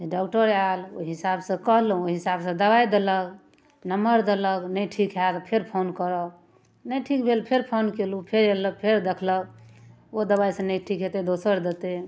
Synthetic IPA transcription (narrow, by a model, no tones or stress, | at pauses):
d͡ʒeɖɔkʈəɾalo̰ɦisabsə̃kəɦlɦũoɦisabsə̃d̪əbajd̪eləɡ | nəməɾd̪eləknəjʈʰikɦat̪pʰeɾpʰonkəɾək | nəjʈʰikbʱelpʰeɾpʰonkelupʰeɾeləkpʰeɾd̪ekʰlək | od̪əbajsə̃nəjʈʰikɦet̪ed̪osəɾd̪et̪e